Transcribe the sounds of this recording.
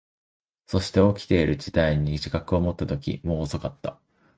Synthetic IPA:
so̞ɕi̥t̪e̞okʲi̥t̪e̞iɾɯ̟d͡ʑid̪aiɲ̟iʑikakɯ̟o̞mo̞t̪ːat̪o̞kʲḭmo̞ːso̞kat̪ːa

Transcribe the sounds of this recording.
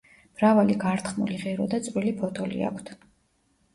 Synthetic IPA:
b̥ɾavaliɡaɾt̪ʰχmuliʁɛɾɔd̪at̪sʼvwilipʰɔt̪ʰɔlḭa̰kʷʰt̪ʰ

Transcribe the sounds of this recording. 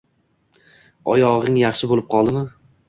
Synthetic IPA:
ɒ̰jɒʁɪŋjɑχʃɪbolɪp̚qʰɒlˠd̪ɪmɪ

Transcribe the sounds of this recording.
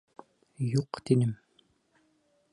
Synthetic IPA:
juqt̪inɘm

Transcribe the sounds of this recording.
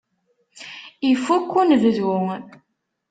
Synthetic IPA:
ifukːunvəðwu

